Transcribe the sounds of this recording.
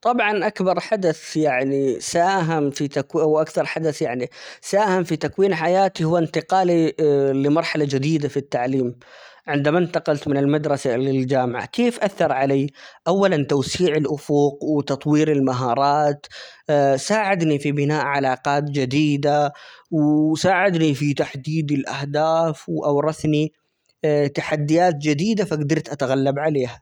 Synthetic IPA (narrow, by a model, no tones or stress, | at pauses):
t̪ˤɑbʕɑnʔakbɑɾˤħad̪aθjaʕnisaːɦamfit̪akʔawʔakθɑɾˤħad̪aθjaʕnisaːhamfit̪akwiːnħajaːt̪ihʊwːaɪnt̪ɪqɑːlilɪmɑɾˤħalad͡ʒɪd̪iːd̪afit̪ːaʕliːmʕɪnd̪amaʔɪnt̪ɑqɑlt̪mɪnɪlmad̪ɾˤɑsalɪld͡ʒaːmɪʕa̰keːfʔaθːɑɾˤʕalaːʔawːalant̪awsiːʕɪlʔʊfuqwɪt̪ɑt̪ˤwiːɾɪlmaɦɑːɾˤɑːt̪ | saːʕɪd̪nifibɪnaːʔʕalɑːqɑːt̪d͡ʒɪd̪iːd̪awsaːʕɪd̪nifit̪aħd̪iːd̪ɪlʔahd̪aːfwɪʔawɾˤɑθni | t̪aħad̪ːɪjaːt̪d͡ʒɪd̪iːd̪afaɡd̪ɑɾˤt̪ʔat̪aɣalːabʕaleːha